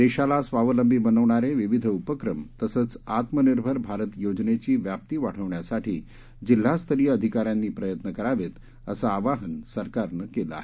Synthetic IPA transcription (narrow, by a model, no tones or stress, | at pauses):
d̪eɕalasʋaʋələmbʱiːbənəʋɳaɾeʋiʋid̪ʱupəkɾəmt̪əsət͡sat̪məniɾbʱəɾbʱaɾət̪jod͡ʑnet͡ɕiːʋjap̚t̪iːʋaʈʰəʋɳjasaʈʰiː | d͡ʑil̤ːast̪ʰəɾiːəd̪ʱikaɾjanːiːpɾəjət̪nəkəɾaʋet̪ | ə̰saːʋaɦənsəɾkaɾnəkeləa̰ɦe